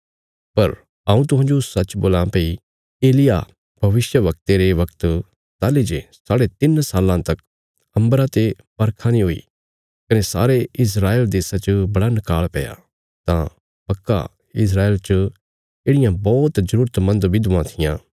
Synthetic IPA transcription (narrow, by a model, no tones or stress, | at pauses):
pɐɾ | ãːũt̪̬ʊɦãːd͡ʒoʊsːɐːt͡ʃboːlãpei | eːlɪja̰ | b̥ʱɐʋɪsjəʋɐk̚t̪eɾeʋɐkt̪ | t̪aːled͡ʒesaːɽet̪ɪnsaːlãt̪ɐk | ɐ̃mbɾãt̪e | bɐɾkʰãnĩɦoḭ | kɐnesa̰ːɾeɪs̬ɾaːeːld̪eːsat͡ʃəbɐɽanɪkaːɭpɛja̰ | t̪ã | pɐkːa̰ | ɪs̬ɾaːeːlt͡ʃə | eːɽɪjãbɔːt̪zɐɾuːɾt̪mɐ̃nd̪ʋɪd̪ʊãt̪ʰɪjãː